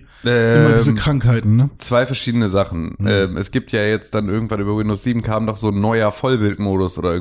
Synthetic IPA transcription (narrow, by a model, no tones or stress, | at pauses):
ʔɛːɪmɐdiːzəkʁ̥aŋkhaɪtn̩nət͡sv̥aɪfɛɐʃiːdənəzaχn̩ʔɛːmʔɛ̰sɡ̥iːp̚tjaːjɛt͡std̥anʔɪɐɡŋ̩tvanyːbɐwindoʊsz̥iːbm̩kʰaːmdɔχz̥oːnːɔʏɐfɔlbɪltmoːɾʊsʔoːdɐɪɐɡŋ